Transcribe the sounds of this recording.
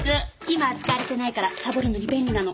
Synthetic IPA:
ɨ | imaːt͡sɨ̥kaɾet̪e̞naikaɾasabɯ̟ɾɯ̟noɾʲibenːʲinano̞

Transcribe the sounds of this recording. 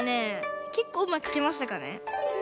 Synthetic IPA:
neke̞kːoːɯmːaki̥kemaɕ̬i̥t̪akanḛ

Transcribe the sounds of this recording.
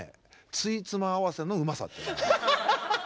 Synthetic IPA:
ḛ | t͡sɨit͡sɨmaːβase̞no̞ɯ̟masa̰t̪ːe

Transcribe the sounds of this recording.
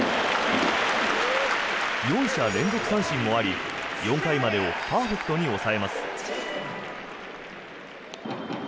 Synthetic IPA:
jõ̞ɰ̃ɕaɾẽ̞nzo̞kɯ̥sãɰ̃ɕĩmmo̞aɾʲijõ̞ŋkaimad̪e̞o̞paːɸe̞kɯ̥t̪o̞ɲ̟io̞sae̞masɨ̥

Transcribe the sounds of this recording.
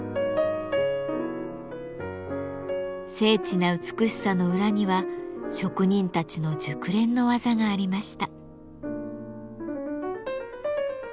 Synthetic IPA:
se̞ːt͡ɕinaɯ̟t͡sɨ̥kɯ̟ɕi̥sano̞ɯ̟ɾaɲ̟iβaɕo̞kɯ̟ɲ̟ĩnt̪at͡ɕino̞d͡ʑɨkɯ̟ɾẽ̞nːo̞βazaɡaːɾʲimaɕi̥t̪a

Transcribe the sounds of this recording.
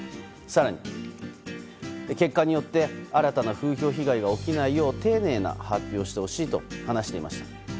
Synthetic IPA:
saɾaɲ̟i | ke̞kːaɲ̟ijo̞t̪ːe̞aɾat̪anaɸɯ̟ːço̞ːçiɡaiɡao̞kʲinaijo̞ːt̪e̞ːne̞ːna̰hapʲːjo̞ːɕi̥t̪e̞ho̞ɕiːt̪o̞̰hanaɕi̥t̪e̞ḭmaɕi̥t̪ḁ

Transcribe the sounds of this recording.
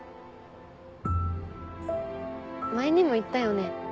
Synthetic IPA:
maeɲ̟imo̞it̪ːajo̞ne̞

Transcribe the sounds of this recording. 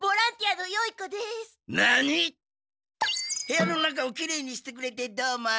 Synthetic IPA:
boɾãnt̪iad̪ojoikod̪esnaɲi | heanonak̬aokʲiɾeɲiɕi̥t̪ek̬ɯɾet̪ed̪ama

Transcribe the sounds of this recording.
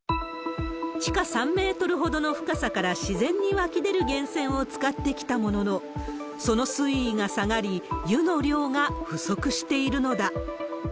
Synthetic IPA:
t͡ɕi̥kasãmːe̞ːt̪o̞ɾɯ̟ɦo̞d̪o̞no̞ɸɯ̟̥kasakaɾaɕizẽ̞ɲ̟ːiβakʲid̪e̞ɾɯ̟ɡẽ̞ɰ̃sẽ̞ɰ̃o̞t͡sɨ̥kat̪ːe̞kʲi̥t̪amo̞no̞no | so̞no̞sɨiːŋasaŋaɾʲijɯno̞ɾʲo̞ːŋaɸɯ̟so̞kɯ̟ɕi̥t̪e̞iɾɯ̟no̞d̪a

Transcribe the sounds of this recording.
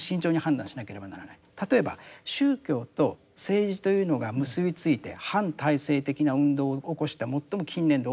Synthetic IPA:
ɕĩɲ̟t͡ɕo̞ːɲ̟ihãnd̪ãɕinake̞ɾe̞banaɾanait̪at̪o̞e̞ba̰ɕɨːkʲo̞ːt̪o̞ | se̞ːʑit̪o̞jɯ̟ːno̞ɡamɯ̟sɨbʲit͡sɨit̪e̞̰hãnt̪aise̞ːt̪e̞kʲinaɯ̟̃nd̪o̞ːoko̞ɕi̥t̪amo̞t̪ːo̞mo̞kʲĩnːẽ̞nd̪o

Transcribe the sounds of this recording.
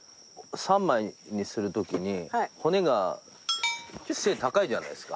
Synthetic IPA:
sãmːaiɲ̟isɨɾɯ̟t̪o̞kʲiɲ̟iho̞ne̞ɡa | t͡ɕose̞ːt̪akaid͡ʑana̰i̥sɨ̥ka

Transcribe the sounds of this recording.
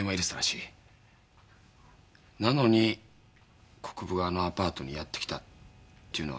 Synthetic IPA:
emoiɾɯst̪aɾaɕi | nano̞ɲ̟i | kʰo̞̥kɯ̟bɯ̟ɡaːno̞apaːt̪o̞ɲ̟ijat̪ːe̞̥kʲi̥t̪at̪ːe̞iɯ̟no̞a

